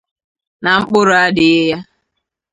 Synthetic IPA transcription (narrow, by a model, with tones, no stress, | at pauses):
na˨ŋ͡m̩˦k͡pʊ˦ɾʊ˨a˦dɪ˨e˦ja˦